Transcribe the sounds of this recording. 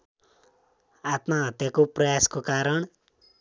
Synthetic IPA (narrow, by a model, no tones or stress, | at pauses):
at̪maɦʌt̪jakoprʌjaskokaɾʌɳ̃